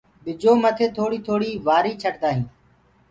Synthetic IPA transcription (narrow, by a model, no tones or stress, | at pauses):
ɓɪd͡ʒoːmət̪ʰeːt̪ʰoːɽiːt̪ʰoːɽiːʋaːɾiːt͡ʃʰəʈd̪aːɦĩː